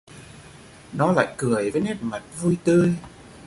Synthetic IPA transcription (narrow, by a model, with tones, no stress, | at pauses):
nɔ˨˦la̰ː˧˨jkɨ˨˩əjvəː˨˦jnɛ˦˥t̚ma˨˩t̚vu˧jt̪ɨ˧əj